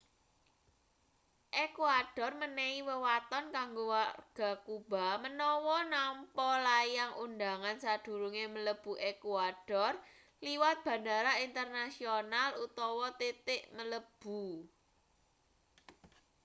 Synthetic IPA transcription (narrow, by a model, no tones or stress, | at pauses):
ʔekwaɖ̥ɔ̤rmənɛiwəwat̪ɔnkaŋɡowarɡ̥a̤kub̥a̤mənɔwɔnampɔlajaŋʔund̪aŋansad̪̥ṳɾuŋemələb̥ṳʔekuad̥ɔ̤r | liwat̪̚b̥ä̤naɾaint̪ərnasionalut̪ɔwɔt̪et̪ɪʔmələb̥ṳ